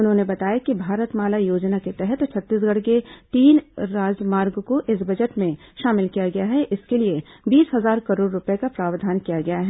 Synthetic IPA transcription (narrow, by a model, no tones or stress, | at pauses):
ʊnɦõːnebɐt̪aːjakibʱaːɾət̪maːlajoːd͡ʒnaket̪ɛɦɛt̪t͡ʃʰɐt̪ːiːs̬ɡɐɽ̤ket̪iːnɾaːd͡ʒmaːɾɡkoʔɪsbɐd͡ʒəʈmẽʃaːmɪlkijaɡɐjaɦɛʔɪskeliebiːsɦɐzaːɾkɐɾoːɽːʊpekapɾaːʋd̪ʱaːnkijaɡɐjaɦɛ